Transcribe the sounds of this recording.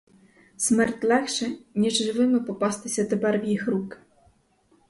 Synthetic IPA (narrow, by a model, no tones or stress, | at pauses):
sʲmɛɾt̪ʲlɛkʂɛnʲiʐʐɨvɘmɘpɔpast̪ɪsʲɛt̪ɛbɛɾvʲjixɾuk